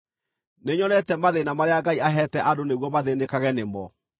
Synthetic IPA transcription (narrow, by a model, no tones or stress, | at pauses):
neɲɔnɛtɛmaðenamaɾeaɡaiaɦɛtɛʔadoneɣwɔmaðenekaɣɛnemɔ